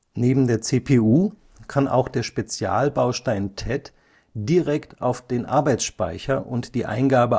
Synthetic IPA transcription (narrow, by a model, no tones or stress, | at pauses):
neːbm̩deːɐt͡seːpʰeːuː | kʰanʔa̰ʊxd̥eːɐʃpet͡sja̰ːlbaʊʃtaɪntʰɛt | d̥iʁɛktʔaʊfd̥eːnʔa̰ɐbaɪt͡ssʃpa̰ɪçɐʔʊntd̥iːʔa̰ɪnɡaːbə